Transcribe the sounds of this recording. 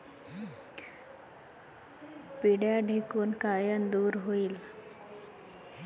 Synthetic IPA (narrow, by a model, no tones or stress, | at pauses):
piɽjaɖʱekuːnkajənd̪uːɾɦoiːl